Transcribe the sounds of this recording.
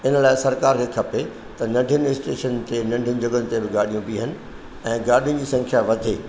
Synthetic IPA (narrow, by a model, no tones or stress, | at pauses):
ɪnə̆laːɪsɐɾkaːɾkekʰɐpe | t̪ɐnɐ̃ɳɖʱijənɪɪsʈeːʃənt̪enɐ̃ɳɖʱjənɪ̆d͡ʑɐɡənɪ̆t̪ebɪɡaːɗijũbiɦənɪ̆ | ɛ̃ːɡaːɗijə̃d͡ʑiːsɐ̃ŋkʰjaʋɐd̪ʱeː